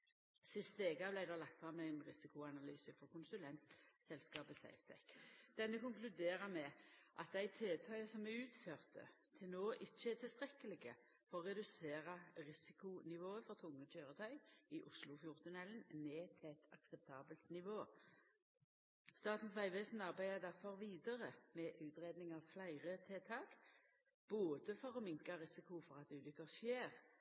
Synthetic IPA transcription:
sɪst̪əeːɡɑblæɪd̪ɛlɑk̚t̪fʁɑmːɛæɪnʁɪsɪkʊɑnɑlyːsəfɔʁkʊnsʉlɛnt̪sɛlskɑːbəsæ̰ɪft̪ʰɛ̰kd̪̥ɛnːəkʊŋklʉd̪eːʁəmɛʔɑt̪̚d̪æɪt̪ʰeːt̪ʰœʏəsɔmːæʉːt̪føːʁt̪ʰə̰t̪ʰɪlnoːʔɪçːəɛt̪ʰɪlst̪ʁɛkəlɪɡə | fɔʁɔʁɛd̪ʉseːʁəʁɪsɪkʊnɪʋoːəfɔʁt̪ʰʊŋːət̪ʰøːʁət̪ʰœʏɪʔʊslʊfjʊʁt̪ənɛlənneːt̪ʰɪɛt̪ʰɑ̰ksɛp̚t̪ʰɑːbəlt̪nɪʋoː | st̪ɑːt̪n̩sʋæɪʋɛsn̩ɑʁbæɪəd̪æʁfɔʁʋiːd̪əʁəmɛʔʉːt̪ʁeːd̪nɪŋɑʋflæɪʁət̪ʰeːt̪ʰɑːɡ̥ | b̥oːd̪əfɔʁɔmɪŋkɑʁɪsɪkʊfɔʁɑt̪ʉːlʏkəʁʃjeːʁ

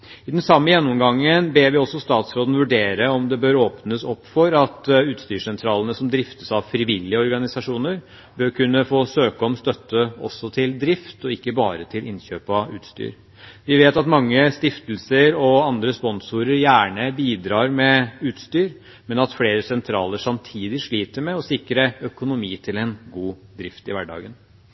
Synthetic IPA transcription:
ɪd̪ɛnsɑmːəjɛnːʊmɡɑŋːənbeːɾʋɪɔsːɔst̪ɑːt̪sɾoːd̪ən̩ʋʉɖeːɾəɔmd̪ɛbøːɾoːpnəsɔpːfɔɾɑt̪ʉːt̪st̪yːʂɛnt̪ʰɾɑːlənəsɔmd̪ɾɪft̪əsɑʋfɾɪʋɪlːɪəɔɾɡɑnɪsɑʂuːnəɾ | bøːɾkʰʉnːəfoːsøːkəɔmst̪œt̪ːəɔ̰sːɔt̪ʰɪld̪ɾɪft̪ɔɪkːəbɑ̰ːɾət̪ʰɪlʔɪnɕøːpɑʉ̰ːt̪st̪y̰ːɾ | ʋɪʋeːt̪ɑt̪mɑŋːəst̪ɪft̪lsəɾɔɑnd̪ɾəspɔnsuːɾəɾjæːɳəbiːd̪ɾɑːɾmɛʉːt̪st̪yːɾ | mɛnɑt̪fleːɾəsɛnt̪ʰɾɑ̰ːləʂɑmt̪ʰiːd̪ɪʂɭiːt̪əɾmɛɔsɪkɾəœkʊnʊmiːt̪ʰɪlɛnɡuːd̪ɾɪft̪ɪʋæɖɑ̰ːɡən

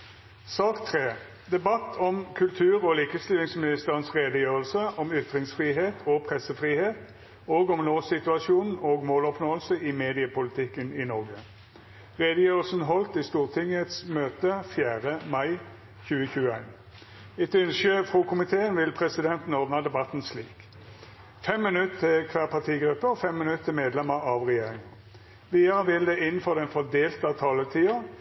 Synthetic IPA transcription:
sɑːkt̪ʰʁeː | d̪ɛbɑt̪ʰɔmkʰʉlt̪ʰʉːʁɔːliːkəst̪ɪlɪŋsmɪnɪst̪əʁənsʁeːd̪əjøːʁəlsəʔɔmʏt̪ʁɪŋsfʁiːɦeːt̪ʰoːɡ̚pʰʁɛsəfʁiːheːt̪ | oːɡɔmnoːsɪt̪ʉɑʃuːnn̩oːɡmoːlɔpnoːəlsəʔɪmeːd̪ɪəpʊlɪt̪ʰɪkːəniːnɔʁɡə | ʁeːd̪əjøːʁl̩sn̩ɦɔlt̪iːst̪uːʁt̪ʰɪŋət̪smøːt̪əfjæːʁəmɑɪ | çʉːəçʉːəæɪn | ɪt̪ʏnʃəfʁuːkʰʊmɪt̪ʰeːənʋɪlpʰʁɛsɪd̪ɛnt̪n̩oʁd̪nɑd̪ɛbɑt̪n̩sliːk | fɛmːɪnʉt̪t̪ʰːɪlkʰʋæːʁpʰɑʁt̪ʰiːɡʁʉpːəɔfɛmːɪnʉt̪ːɪmeːd̪lɛməʁɑʋʁɛjeːʁɪŋn | ʋiːɑʁəʋɪld̪ɛʔɪnn̩fɔd̪ɛnfɔd̪eːlt̪əɑt̪ʰɑːlət̪ʰiːɑ

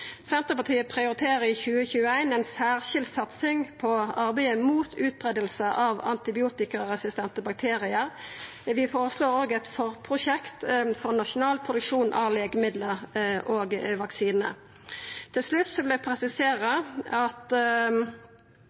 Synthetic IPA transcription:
sɛnt̪əpɑt̪ʰiːəpʰʁɪʊɾɪt̪ʰeːʁəɪçʉːəçʉːəæɪnɛnsæːʁʃɪld̪sɑt̪sɪŋpʰɔɑʁbæɪəmuːt̪ʰʉːt̪̚bʁɛd̪əlsəʔɑʋɑ̰nt̪ɪbɪuːt̪ɪkəʁʁɛsɪst̪ɛnt̪əbɑk̚t̪ʰeːʁɪəɾ | ʋɪfoːɾəsloːɾoːɡɛt̪fɔʁpʰʁʊʃɛkt̪fɔʁnɑʂʊnɑːlpʰʁʊd̪ʉkʂuːnʔɑ̰leːɡəmɪd̪ləʁʔoːɡʋɑksiːnə̰ | t̪ʰɪlʂlʉt̪sɔʋɪld̪ɛpʰʁɛsɪseːʁəɑt̪

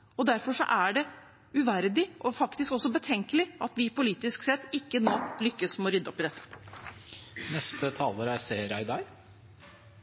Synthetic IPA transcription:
ɔd̪æɾfɔʂɔ̰ʔæɖɛ | ʉʋæɾd̪ɪʔɔfɑkt̪ɪskɔsːɔbət̪ʰɛŋkəlɪɑt̪ʋɪpʰʊliːt̪ɪsksɛt̪ːɪkːənoːlʏkːəsmɛɔɾʏd̪ːəɔpːɪd̪ɛt̪ːə̥ | nɛst̪ət̪ʰɑːləɾæseːɾæɪd̪ɑɾ

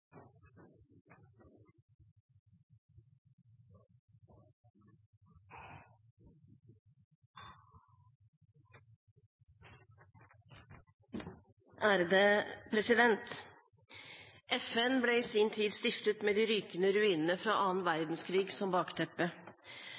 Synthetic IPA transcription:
ʔæːɾd̪eːpʰɾɛsɪd̪ɛnt̪ | ʔɛfɛnbleːiːsiːnt̪ʰiːd̪st̪ɪft̪ət̪meːd̪iːɾyːkənəɾʉiːnənəfɾɑːʔɑːnʋæɾd̪n̩skʰɾiːɡsɔmbɑːkt̪ʰɛpːə

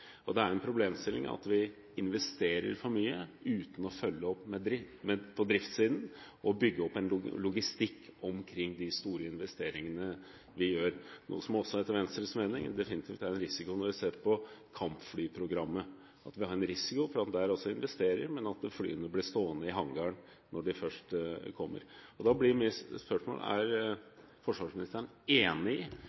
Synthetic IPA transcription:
ɔd̪ɛæɾɛnpʰɾʊbleːmst̪ɪlɪ̰ŋɑ̰t̪ʋɪ | ɪnʋɛst̪eːɾə̰ɾfɔɾmyːə̰ʉːt̪n̩ɔfœlːəɔpːmɛd̪ɾɪmɛpʰɔd̪ɾɪft̪siːd̪nʔɔbʏɡːəɔpːɛnlʊɡɪst̪ɪkʰːɔmkʰɾɪŋːd̪ɪst̪uːɾəɪnʋɛst̪eːɾɪŋənə | ʋɪjøːɾnṵːəsɔmɔsɔɛt̪əɾʋɛnst̪ɾəsmeːnɪŋd̪ɛfɪnɪt̪ʰiːft̪æɾɛnɾɪsɪkʊnɔɾʋɪseːɾpɔkʰɑmpflyːpʰɾʊɡɾɑmːə | ʔɑt̪ʋɪhɑɾɛnɾɪsɪkʊfɔɾɑt̪d̪ɛæɾɔsːɔɪnʋɛst̪eːɾə̰ɾmɛnɑt̪fly̰ːənəblɪɾst̪oːənəɪɦɑŋɡɑɳ | nʔɔɖɪfœʂʈkʰɔmːə̰ɾɔd̪ɑblɪɾmispœʂmo̰ːlæ̰ɾ | fɔʂʋɑʂmɪnɪst̪əɳ | eːnɪ

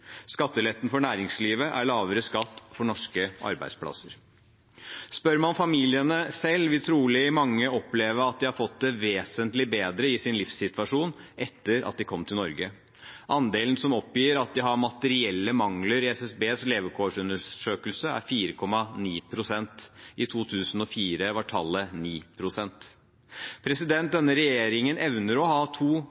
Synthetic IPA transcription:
skɑt̪ːəlɛt̪ːn̩fɔɳæːɾɪŋsliːʋəʔæɾɭɑːʋəɾəskɑt̪ːfɔɳɔʂkəʔɑ̰ɾbæɪd̪spʰlɑ̰səɾ | spœɾmɑfɑmiːlɪənəsɛlːʋɪt̪ʰɾuːlɪɪmɑŋːəɔpleːʋəɾɑt̪̚d̪ɪhɑɾfɔt̪̚d̪ɛʋeːsənt̪lɪbeːd̪ɾəɪsɪnlɪfsːɪt̪ʋɑʂuːnʔɛt̪ːəɾʔɑ̰t̪̚d̪ɪkʰɔmːt̪ʰɪlnɔɾɡə | ʔɑnd̪eːlnsɔmɔpjiːɾɑt̪̚d̪ɪɦɑɾmɑt̪əɾɪɛlːəmɑŋləɾɪɛsɛsbeːsleːʋəkʰoːʂʉnəʂøːkəlsəæ̰ɾfiːɾəkʰɔmːɑniːpʰɾʊsɛnt̪ɪt̪ʰuːt̪ʰʉːsn̩ɔfiːɾəʋɑʈʰɑlːəniːpʰɾʊsɛnt̪ | pʰɾɛsɪd̪ɛnt̪̚d̪ɛnːəɾɛjeːɾɪŋənʔɛʋnəɾɔhɑːt̪ʰuː

